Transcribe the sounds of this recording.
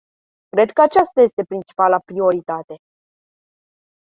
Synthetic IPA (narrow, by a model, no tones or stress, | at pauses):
kɾe̞d̪kəat͡ʃast̪aje̞st̪e̞pɾint͡ʃi̥palapɾio̞ɾit̪at̪e̞